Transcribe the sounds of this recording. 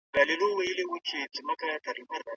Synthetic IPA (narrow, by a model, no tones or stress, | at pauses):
ɡalɪloweilewut͡ʃʰet͡simakajataɾimaɾa